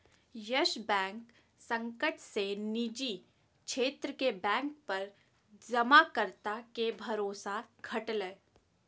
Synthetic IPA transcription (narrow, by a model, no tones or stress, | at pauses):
jɐʃbɛ̃ːŋk | sɐ̃ŋkəʈsenid͡ʒi | kʃeːt̪ɾəkebɛ̃ːŋk̚pɐɾ | d͡ʒɐmakəɾt̪akebʱɐɾoːsaɡʱɐʈləː